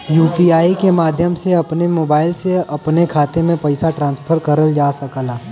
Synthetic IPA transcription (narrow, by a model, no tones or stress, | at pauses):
juːpiaːikemaːd̪ʱjəmseɐpnemoːbaːɪlseɐpnekʰaːt̪emẽpɐɪsaʈɾãːnspʰəɾkɐɾəld͡ʒaːsɐkəlaː